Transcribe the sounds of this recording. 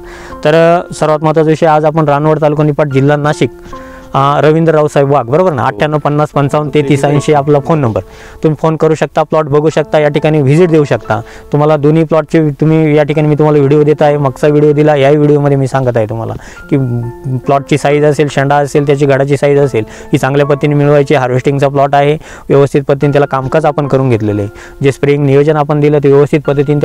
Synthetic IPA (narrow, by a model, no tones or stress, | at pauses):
t̪əɾsəɾʋat̪mat̪at͡sʋɕəad͡zap̬əɳɾanʋəɽt̪alukanipaʈ̚d͡ʑilːanaɕik̚ | ɾəʋind̪ɾːawsajbʋaɡ̚bəɾobəɾna̰a̰ʈʰːjanːəpənːaspənt͡saunt̪et̪iːsainɕeaplafonːəmbəɾ | t̪umiːfonkəɾuːɕək̚t̪aplɔʈ̚bʱəɡuːɕək̚t̪ajaʈikaɽ̃iːʋid͡ziʈ̚d̪euɕəkt̪a̰ | t̪um̤alad̪oniːplɔʈ̚t͡ɕit̪um̤iːjaʈʰikaɽ̃iːmiːt̪um̤alaʋiɽijod̪et̪əaɦeməkt͡saʋiɽijod̪ilajaiʋiɽijoməd̪ʱjemiːsãŋɡət̪aɦet̪um̤a̰la̰ | kiːplɔʈ̚t͡ɕiːsaid͡zəselɕəɳɖaəselt̪jat͡ɕiːɡʱəɽat͡ɕiːsaid͡zəsel | ɦiːt͡sãŋɡljapət̪ːinimiɭʋajt͡ɕeɦaɾʋesʈĩŋɡt͡saplɔʈaɦe | ʋjəʋəst̪ʰit̪̚pəd̪iːnt̪jalakamkat͡sapəɳkəɾuːnɡʱet̪lelə | d͡ʑespɾeĩŋɡnijod͡ʑənapəɳd̪ilət̪eʋjəʋəst̪ʰit̪̚pəd̪ʱːət̪iːnt̪